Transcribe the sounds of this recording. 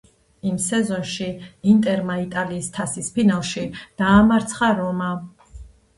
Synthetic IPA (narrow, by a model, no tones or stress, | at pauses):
imsɛzɔnʃiint̪ʼɛɾmait̪ʼaliːst̪ʰasispinalˠʃid̪̥aːmaɾt̪sʰχaɾɔma